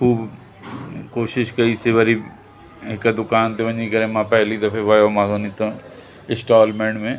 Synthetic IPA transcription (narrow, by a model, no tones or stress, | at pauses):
xuːb | koːʃɪʃkɐɾiseʋɐɾi | ɪkad̪ʊkaːnt̪eʋɐɲikɐɾẽːmãpɛɦlid̪ɐpʰeʋɐjomãːsonit̪õ | ɪsʈaːlmẽɳɖmẽː